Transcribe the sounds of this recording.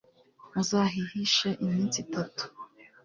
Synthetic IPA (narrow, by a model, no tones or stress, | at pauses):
uzaːɦihiʃaʔimiːnt͡sitatu̥